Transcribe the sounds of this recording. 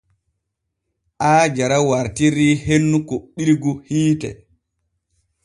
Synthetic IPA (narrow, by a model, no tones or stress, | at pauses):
ʔaːd͡ʒaɾawaɾtiɾiːhenːukoɓːiɾɡuhiːtɛ̰